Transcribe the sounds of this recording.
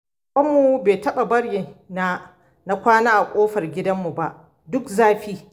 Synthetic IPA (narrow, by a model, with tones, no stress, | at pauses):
ɓɐ˦mːu˨beː˨tɐ˦ɓa˨bɐ˦ɽji˨naː˦ | na˦kʷaː˦naː˦ʔa˨kʷʼoː˦ɸɐ˨rɡʲɪ˦dɐ˦mːu˨ba˦ʔ | dʊ˦kzaː˦ɸiː˦